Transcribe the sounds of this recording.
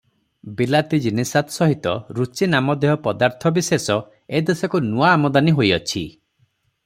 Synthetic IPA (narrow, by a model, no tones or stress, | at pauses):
bilat̪id͡ʒinesat̪sɔɦit̪ɔ̰ɾut͡ʃinamɔd̪eɦɔpɔd̪aɾt̪ʰɔbisesɔ | ed̪esɔkunuaːmɔd̪aniɦojɔt͡ʃʰḭ